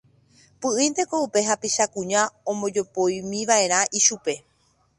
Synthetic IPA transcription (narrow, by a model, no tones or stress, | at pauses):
pɨʔĩnd̪e̞koupe̞ɦapiʃakũɲãõmõd͡ʒo̞pojmĩʋaʔe̞ɾ̃ãʔiʃupe̞